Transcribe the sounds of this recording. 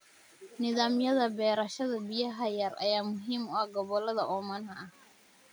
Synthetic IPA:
nɪðaːmjɐðɐbɛːɾɐʃɐðɐbɪjɐɦɐjɐɾɐ̰jaːmʊɦiːmɔɐɡɔβɔlɐðɐʔɔːmɐnɦɐɐh

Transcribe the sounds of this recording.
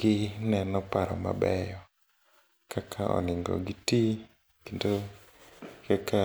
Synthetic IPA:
ɡ̥ɪnɛnɔpaɾɔ̰ma̰bɛjɔ | kakʰaʔɔ̰nɪŋɡɔ̰ɡɪti | kendo | kaka

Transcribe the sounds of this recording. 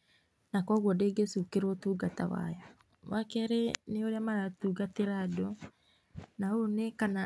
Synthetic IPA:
nakɔɣwɔdeɡesukeɾɔtuɡata̰wa̰jɔ | wakɛɾeneoɾeamaɾatuɡateɾado | naonekana

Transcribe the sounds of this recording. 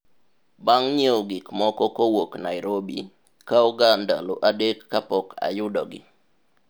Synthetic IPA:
baŋɲeoɡɪkmɔkɔkowoknaɪɾobḭ | kauɡanda̰loʔadekːapɔka̰jʊdɔɡɪ̰

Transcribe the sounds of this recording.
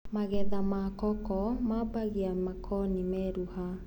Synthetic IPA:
maɣɛðamakɔkɔmabaɣiamakʰɔnimɛɾuha

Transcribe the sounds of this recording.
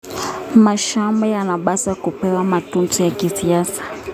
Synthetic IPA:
maʃambɛjanaɓasakupɛwamatunzɔjakisiasḁ

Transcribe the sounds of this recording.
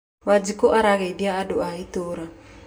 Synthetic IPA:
mad͡ʒikoʔaɾaɣediaːdoait̪oɾa

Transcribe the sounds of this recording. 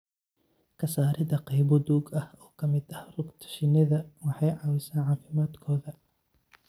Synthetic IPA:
kʰɐsaːɾɪðɐqɑjbɔd̪uːɡɐhɔːkʰɐmɪd̪ɐhrʊɡt̪ʰɐ̥ʃɪnɐðɐwɑħɑjʕɑːwɪsaːnʕɑːfɪmaːd̪kʰɔːðɐ

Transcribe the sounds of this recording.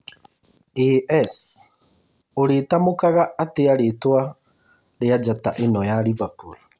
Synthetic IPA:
eɛs | oɾetamokaɣaːteaɾetwa | ɾead͡ʒataʔenɔjaɾivakuɾa

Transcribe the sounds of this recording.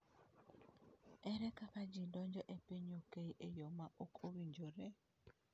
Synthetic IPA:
ɛɾɛkakad͡ʒidɔɲd͡ʒɔʔepeɲokejʔejɔmaʔokʰowiɲd͡ʒoɾɛ

